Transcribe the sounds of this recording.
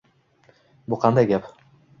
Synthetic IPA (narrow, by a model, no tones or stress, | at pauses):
bʊqʰɑnd̪ajɡʲap